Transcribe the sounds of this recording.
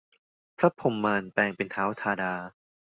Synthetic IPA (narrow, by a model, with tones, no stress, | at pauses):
pʰɾa˦˥pʰo˨˩˦mːaː˧npɛː˧˩ŋpe˧nt̪ʰaː˩˦˥wt̪ʰaː˧daː˧